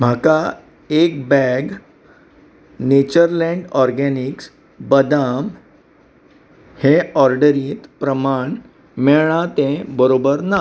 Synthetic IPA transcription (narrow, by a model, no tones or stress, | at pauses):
m̤aka | ek̚bɛɡ | net͡ɕəɾlɛ̃ɳɖɔɾɡɛniks | bəd̪am | heɔɾɖəɾiːt̪pɾəmaɳ | meɭɳ̃at̪ẽbəɾobəɾna